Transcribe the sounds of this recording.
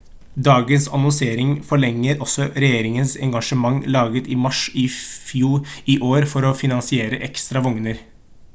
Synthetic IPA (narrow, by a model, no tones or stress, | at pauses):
d̪ɑːɡənsɑ̰nɔnseːɾɪŋfɔɭɛŋːəɾɔsɔɾɛjeːɾɪŋənsɛ̰ŋɡɑʂəmɑŋːlɑːɡət̪ɪmɑʂɪfjuːɾiʔoːɾfɔɾɔfɪnɑnsɪeːɾəʔɛkst̪ɾɑʋɔŋnəɾ